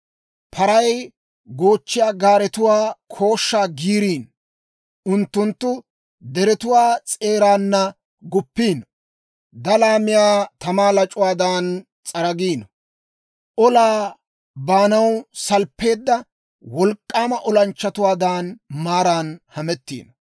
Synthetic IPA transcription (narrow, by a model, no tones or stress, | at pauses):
pʰɐɾɐj | ɡo̞ːt͡ʃːɪjaːɡaːɾɛt̪ʊwaːkʰo̞ːʃːaːɡiːɾiːn | ʊnt̪ːʊnt̪ːʊ | d̪ɛɾɛt̪ʊwaːt͡sʼe̞ːɾaːnːɐ | ɡʊpːiːn | d̪ɐlaːmɪjaːt̪ɐmaːlɐt͡ʃʼʊwaːd̪aːn | t͡sʼɐɾɐɡiːnɔ | ʔɔlaː | baːnɐwsɐlpːe̞ːd̪ːɐ | wɔlkʼːaːmɐʔɔlɐnt͡ʃːɐt̪ʊwaːd̪aːnmaːɾaːnhɐmɛt̪ːḭːnɔ